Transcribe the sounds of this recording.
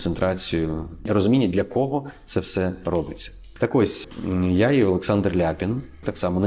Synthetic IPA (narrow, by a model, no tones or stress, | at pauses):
sent̪ɾɑt͡sʲijʊiɾɔzʊmʲinʲːɐd̪lʲɐkɔɦɔt̪sɛwsɛrɔbɪt͡sʲːɐ̥ | t̪ɐkɔsʲjaiɔlˠeksɑnd̪rlʲapʲint̪ɑksɑmɔn